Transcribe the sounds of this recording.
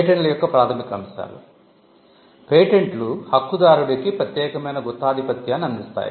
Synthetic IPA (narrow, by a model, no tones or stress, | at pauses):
ʈeɳlɐjɔkːɐpɾaːt̪ʰɐmikɐmsa̰ːlṵ | peːʈeɳʈluhɐkːud̪aːɾuɽɐkipɾɐt̪jɛːkɐmɐjnɐɡɔt̪ːaːd̪ʱipɐt̪jaːnɐnmist̪a̰ːjḭ